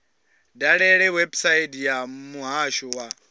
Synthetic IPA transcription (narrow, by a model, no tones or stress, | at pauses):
daɺɛɺɛwɛbsaitjamuɦaʃɔwa